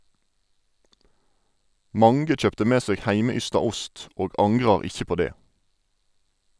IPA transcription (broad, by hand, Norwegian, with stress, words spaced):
ˈmɑŋɡə ˈc͡çœptə ˈmeː ˈseːɡ ˈhæɪməˌʏstɑ ˈʊst ˈoːɡ ˈɑŋɡʁɑʁ ˈɪçə ˈpoː ˈdeː